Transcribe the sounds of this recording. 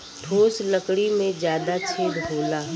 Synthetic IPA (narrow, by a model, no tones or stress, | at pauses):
ʈʰoːsləkɽimẽd͡ʒjaːd̪at͡ʃʰeːd̪ɦoːlaː